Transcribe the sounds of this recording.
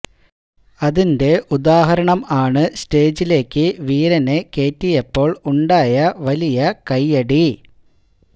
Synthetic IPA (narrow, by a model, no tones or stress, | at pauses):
ɐðinde̞ʔud̪aːɦɐɾɐɳɐmaːɳɨste̞ːd͡ʑile̞ːkːɨʋiːɾɐneke̞ːtːijɐpːo̞ːɭuɳɖaːjɐʋɐlijɐkɐjːɐɽi